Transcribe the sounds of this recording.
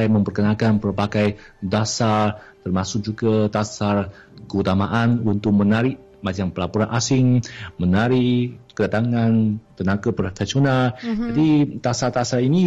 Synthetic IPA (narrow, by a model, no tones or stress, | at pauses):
ajməmpərkənakanpərpakaj | dasart̪ərmasʊk̚d͡ʒukat̪asar | kəut̪amaʔanunt̪ʊk̚mənaɾɪʔ | mad͡ʒaŋpəlapuɾanʔasɪŋmənaɾiʔkədat̪aŋant̪ənakapɾofesionald͡ʒadit̪asart̪asarini